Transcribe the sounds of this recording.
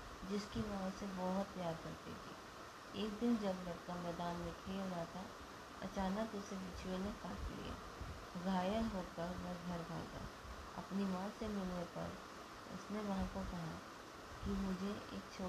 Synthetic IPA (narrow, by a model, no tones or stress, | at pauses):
d͡ʒɪskinãːsebɔɦʊt̪ːɐjaːɾkɐɾt̪ḛt̪ʰḭː | eːkd̪ɪnd͡ʒɐbɾɐɾkamɛːd̪aːnmẽkʰeːlɡat̪ʰa | ɐ̰t͡ʃaːnəkʊseʋɪt͡ʃwenẽkaːɾkḛlḭḛ | ɡʱaːjəɦoːkəɾʋɛɡʱɐɾbʱa̰ːɡa̰ | ɐ̰pnimãːsemɪlnepɐ̰ɾ | ʊ̰sneʋɐɦãkokɐɦa | kimʊd͡ʒʱeḛːk̚t͡ʃʰoː